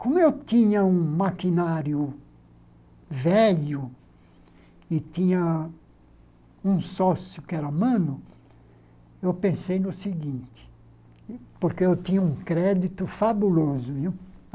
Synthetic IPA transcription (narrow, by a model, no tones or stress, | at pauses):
kõmʊewt̪ĩɲɐũmakinaɾjʊ | vɛʎʊ | ɪt̪ĩɲɐ | ũsɔsjʊkɪɛɾɐmɐ̃nʊ | ewpẽsejnʊsɪɡĩnt̪ɪ̥ | poɾkeewt̪ĩɲɐũkɾɛd̪it̪ʊfabulozʊmi